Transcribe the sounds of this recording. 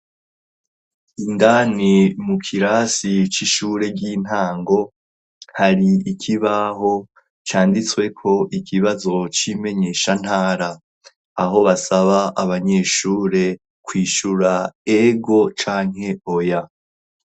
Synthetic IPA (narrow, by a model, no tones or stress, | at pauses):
indaːnimukʰiɾasit͡ʃiʃuːɾe̞ɟin̥aːŋɡo̞ | haɾiːkʰiβaɦo̞ | t͡ʃaːndit͡swe̞kʰo̞ʔikʰiβazo̞t͡ʃime̞ɲe̞ʃan̥haːɾaː | ɦo̞βasaβaʔaβaɲe̞ːʃuːɾe̞ | kwiːʃuɾaeɡo̞t͡ʃaːŋhe̞oja